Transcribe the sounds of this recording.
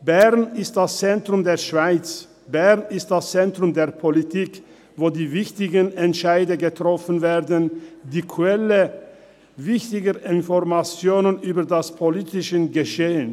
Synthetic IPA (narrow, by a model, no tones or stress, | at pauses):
b̥ɛʁnɪst̚d̥ast͡sɛntʁ̥ʊmdeːɐʃv̥aɪt͡s | b̥ɛʁnɪst̚d̥ast͡sɛntʁ̥ʊmdeːɐpʰolitʰiːk | voːdiːvɪçtɪɡənɛntʃaɪdɐɡətʁ̥ɔfn̩veːɐdəndiːkʰwɛlə | vɪçtɪɡəʔɪnfɔʁmat͡sjoːnənʔyːbɐdaspʰoliːtɪʃəɡəʃeːən